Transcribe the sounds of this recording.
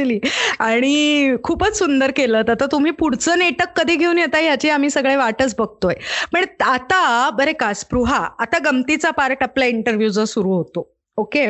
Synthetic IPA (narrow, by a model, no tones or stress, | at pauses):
liːaɽ̃ikʰuːpət͡ssund̪əɾkeləːt̪at̪at̪um̤iːpuɽ̤t͡səːneʈəkːəd̪ʱiːɡʱeuːnjet̪aijat͡ɕiːam̤iːsəɡɭeʋaʈət͡sbəɡ̚ʱt̪ojpəɳat̪abəɾekaspɾuɦaːt̪aɡəmt̪it͡sapaɾʈapljaiɳʈəɾʋjud͡zəsuɾuːɦot̪o | oke